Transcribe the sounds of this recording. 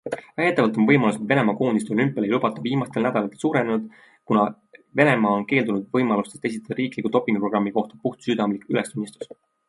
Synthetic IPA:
væhe̞t̪ːˑɑvɑlt̪o̞nvɤjmɑlused̪ve̞ne̞mɑːko̞ːnis̬t̪olympːˑelejlub̥ɑt̪ːˑɑviːmɑst̪elnæd̪̥ɑlɑt̪ːˑelsuːɾenenud̪̥ | kunɑ | ve̞ne̞mɑːonke̞ːld̪unud̪vɤjmɑlust̪est̪ːe̞s̬it̪ːed̪ɑɾiːklikːud̪o̞pːˑiŋɡupro̞ɡrɑmːiko̞ht̪ɑ̥puht̪syd̪̥ɑmlikyle̞st̪unʲːist̪u̥s

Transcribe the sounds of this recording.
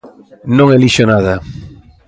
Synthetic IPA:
nõŋeliʃonað̞a

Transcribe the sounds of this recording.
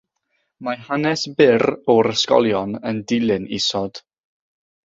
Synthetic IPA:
maɦanɛsbɪɾɔɾəskɔ̰lˠjɔnəndɪlˠɨnḭsɔd̥

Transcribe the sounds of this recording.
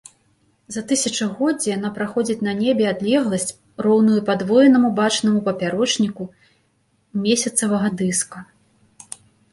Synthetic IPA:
zɐt̪ɨsʲɐt͡ʂɐɣɔd͡zʲɛjanapɾaxɔd͡zʲit͡sʲnɐnʲebʲɛad̪lʲɛɣlˠɐsʲt͡sʲ | rɔwnujupad̪vɔjɛnɐmubat͡ʂnɐmupɐpʲaɾɔt͡ʂnʲiku | mʲesʲɐt̪sɐvɐɣɐd̪ɨskɐ

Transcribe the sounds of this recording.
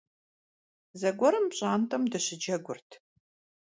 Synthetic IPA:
zɐɡʷɔɾɨmpɕʼaːntʰɐmdɨɕɪd͡ʒɐɡʷʊrtʰ

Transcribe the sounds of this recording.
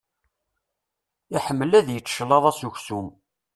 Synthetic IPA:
iħəmːəlæðjət͡sːʃlɑðˤɑsuçsum

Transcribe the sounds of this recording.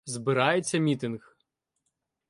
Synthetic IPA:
zbɪɾɑjet͡sʲːɐmʲit̪ɪnɣ

